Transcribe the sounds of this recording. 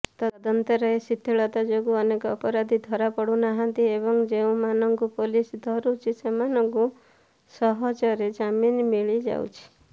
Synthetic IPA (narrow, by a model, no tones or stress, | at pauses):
t̪ɔd̪ɔnt̪ɔɾɔesit̪ʰːeɭɔt̪ad͡ʒoɡuɔnekɔːpɔɾad̪ʱid̪ʱɔɾapɔɽunaɦant̪iebɔŋd͡ʒeũmanɔŋkupolisd̪ʱɔɾut͡ʃʰisemanɔŋku | sɔɦɔd͡ʒɔɾed͡ʒaminmiɭid͡ʒa̰wt͡ʃʰi̥